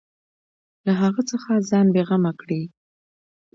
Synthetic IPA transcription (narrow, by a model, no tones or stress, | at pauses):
laɦaɣət͡səxazɑnbeɣamakɽi